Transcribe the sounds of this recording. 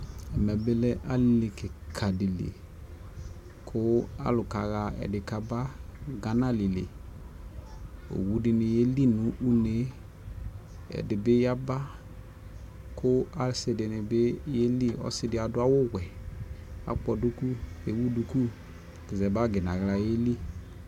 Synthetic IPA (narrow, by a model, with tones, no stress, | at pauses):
ɛ˨mɛ˨bɪ˦lɛ˦ʔa˦lɪ˦˨lɪ˨kɪ˨kʰa˨dɪ˨lḛ˨ | kʰʊ˦a̰˦lʊ˨ka˨ɣa˨ɛ̰˨dɪ˨ka˨ba˦ɡa˨na˦lɪ˨lɪ̰˨ | o̰˨wu˦dɪ˨nɪ˨je˦li˦nʊ˨˦ʔu˦ne˨˦ | ɛ̰˨dɪ˨bɪ˦ja˦ba˦ | kʰʊ˦a˨lsɪ˨dɪ˨nɪ˨bɪ˦je˦li˦ɔ̰˦sɪ˦dɪ˨˦a˨dʊ˦a˦wʊ˦wɛ˨ | a̰˨k͡pɔ˨du˦ku˦e˨˦wu˦du˨ku˦˨ | tɪ˨zɛ˨ba˦ɡɪ˨na˨ɣla˨je˦li˦